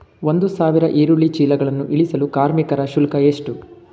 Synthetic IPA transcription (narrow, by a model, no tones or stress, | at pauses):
ʋond̪usaːʋiɾɐʔeːɾuɭit͡ʃiːlɐɡɐɭɐnːuʔiɭisɐlukaːɾmikɐɾɐʃulkɐeːʂʈu